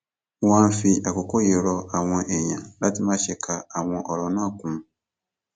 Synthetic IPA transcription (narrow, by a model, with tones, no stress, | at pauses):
wã˦n˦fi˦˨ʔa˨kɔ˨kɔ˦je˨ɾɔ˦a˨w̃ɔ̃˨ʔe˨ɲã˨la˦ti˦mã˦ɕɛ˨kʰa˨a˨w̃ɔ̃˨ʔɔ˨ɾɔ˨nã˦˨kũ˨m̃˨